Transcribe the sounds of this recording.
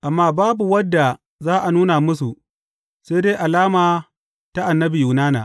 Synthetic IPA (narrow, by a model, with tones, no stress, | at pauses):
ʔa˨mːaː˦baː˦bu˨wɐ˦dːa˨ | zaː˦ʔa˨nuː˦na˨mʊ˦s̬u˨ | seː˦deː˦ʔa˨laː˦maː˨ | ta˦ʔa˨nːɐ˦bi˨ju˨naː˦na̰ː˨ʔ